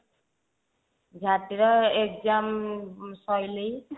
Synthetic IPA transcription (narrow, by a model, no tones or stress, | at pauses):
ɡʱat̪iɾʌekd͡ʒamsʌjlij